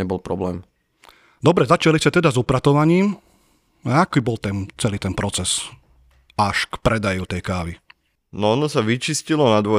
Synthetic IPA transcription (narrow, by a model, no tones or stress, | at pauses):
ɛbɔlpɾɔblɛːm | d̪ɔbɾɛzat͡ʃaliscɛt̪ɛd̪azupɾat̪ɔʋaɲiːm | aakiːbɔlt̪ɛnt͡sɛliːt̪ɛnpɾɔt͡sɛz̥ | aʃkpɾɛd̪ajut̪ɛjkaːʋi | nɔɔnɔsaʋit͡ʃiscilɔnad̪ʊɔ